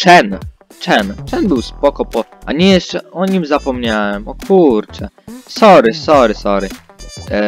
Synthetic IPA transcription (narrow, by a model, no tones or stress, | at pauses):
t͡ʂɛn | t͡ʂɛnt͡ʂɛnbɘwspɔkɔpɔa̰ɲɛjɛʂt͡ʂɛɔɲimzapɔmɲawɛmɔkʰuɾt͡ʂɛ | sɔɾɘsɔɾɘsɔɾɘ